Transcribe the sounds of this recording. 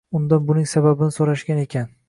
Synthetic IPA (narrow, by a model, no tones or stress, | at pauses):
ʊnd̪anbʊnɪŋsababɪnɪsoɾaʃɡʲane̞kʲʰan